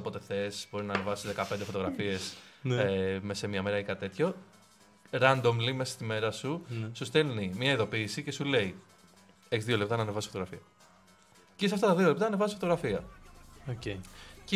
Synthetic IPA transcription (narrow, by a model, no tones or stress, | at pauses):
opo̞t̪e̞θe̞sbo̞ɾinɐne̞vɐsizðekɐpend̪efot̪oɣɾɐfie̞snmesemɲɐme̞ɾɐikɐt̪e̞t̪ço̞ | ɾɐnd̪o̞mlime̞sɐ̥st̪ime̞ɾɐsusust̪elnimɲɐiðo̞piːsicesule̞i | eçizðio̞lep̚t̪ɐnɐnevɐssfot̪oɣɾɐfiɐ | cisɐft̪ɐt̪ɐðiolept̪ɐnɐːnevɐsifot̪oɣɾɐfiɐocec